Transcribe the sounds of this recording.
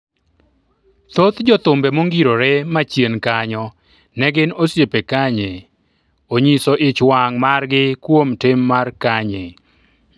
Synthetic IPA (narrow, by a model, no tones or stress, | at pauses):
t̪ot̪d͡ʒɔt̪ʊmbɛmoŋɡiɾoɾɛmat͡ʃjenkaɲɔ | nɛɡɪnosjepekaɲe | oɲisɔʔɪt͡ʃwaŋmarɡɪkwomtɪmːarkaɲe